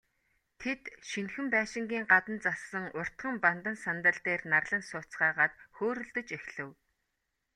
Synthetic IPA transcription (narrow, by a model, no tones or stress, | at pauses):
t̪ʰet̪ʃinxɘ̆mpæːʃɪ̆ŋɡʲiːŋɢat̪ə̆nt͡sasə̆ŋʊr̥t̪χə̆mpant̪ə̆nsant̪ə̆ɮt̪eːrnarɮə̆nsʊːt͡sɢaːʁaːt̪xoːɾɵ̆ɮt̪ɵ̆t͡ɕexʲɮɘ̆w